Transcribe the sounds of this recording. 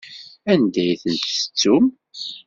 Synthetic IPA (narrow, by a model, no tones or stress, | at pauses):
ænd̪æjθənt̪ə̥t͡sːum